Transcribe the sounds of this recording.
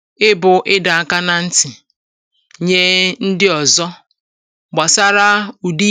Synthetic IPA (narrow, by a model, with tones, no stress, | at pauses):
ɪ˦bʊ˨ʔɪ˦da˨a˨ka˦na˨n̩˦tɪ˨ | ɲe˦n̩˦dɪ˦ɔ˨zɔ˦ | ɡ͡ba˨sa˦ɾa˦u˨di˦